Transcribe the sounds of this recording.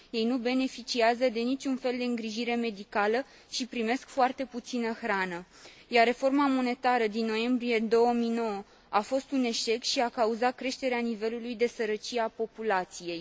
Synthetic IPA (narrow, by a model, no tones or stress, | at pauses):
je̞jnube̞ne̞fit͡ʃiazəd̪e̞nit͡ʃʲunfe̞ld̪e̞ɨŋɡɾiʒiɾe̞me̞d̪ikalə | ʃipɾime̞skfoart̪e̞put̪sinəxɾanəjarːe̞fo̞rmamo̞ne̞t̪aɾəd̪inːo̞je̞mbɾije̞d̪o̞wəmijno̞wə | afo̞st̪une̞ʃe̞kʃiakauzat̪̚kɾe̞ʃt̪e̞ɾeanive̞lulujd̪e̞səɾət͡ʃiapo̞pulat̪sije̞j